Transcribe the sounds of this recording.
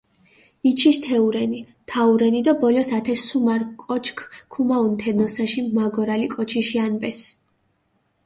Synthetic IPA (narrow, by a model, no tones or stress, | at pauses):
it͡ʃʰist̪ʰɛuɾɛni | t̪ʰauɾɛnid̪abɔlɔsat̪ʰɛsumaɾkʼɔt͡ʃʰkʰkʰumaunt̪ʰɛnɔsaʃimaɡɔɾalikʼɔt͡ʃʰiʃianbɛs